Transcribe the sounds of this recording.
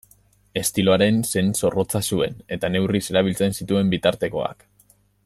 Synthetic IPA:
e̞st̪ilo̞aɾe̞nse̞nso̞ro̞t͡sasue̞ne̞t̪ane̞wrise̞ɾaβ̞ilt͡se̞nsit̪ue̞mbit̪aɾt̪e̞ko̞̰a̰k

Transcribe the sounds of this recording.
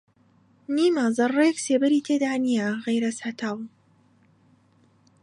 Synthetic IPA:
niːmaːzɐrˤːekseːbɐɾiːt̪ʰeːd̪aːnijaɣejɾɐsat̪ʰaːw

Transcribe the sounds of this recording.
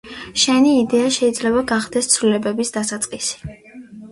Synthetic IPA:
ʃɛniːd̪ɛaʃɛid̪zlɛbaɡaχd̪̥ɛst̪sʰvlilɛbɛbisd̪̥asat̪sʼqʼisi̥

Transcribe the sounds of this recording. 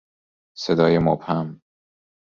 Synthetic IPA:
sed̪ɒːjemobhæm

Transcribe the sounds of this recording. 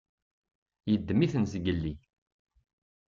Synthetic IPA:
jəd̪ːmiθənsɡəlːi

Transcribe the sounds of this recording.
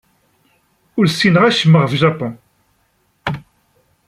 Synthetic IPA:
ʊɾsinəʁæʃəmːəʁfʒɑpɔ̃

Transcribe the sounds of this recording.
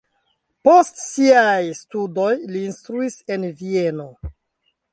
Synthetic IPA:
po̞stsiajstudo̞jliːnstɾuise̞nvie̞no̞

